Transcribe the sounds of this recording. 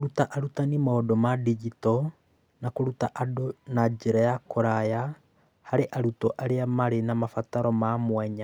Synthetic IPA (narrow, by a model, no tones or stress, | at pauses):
ɾutaʔaɾutanimaodɔmadid͡ʒitɔ | nakoɾutaʔadonad͡ʒeɾajakoɾaja | haɾeʔaɾutɔʔaɾeamaɾenamafataɾɔmamwɛɲa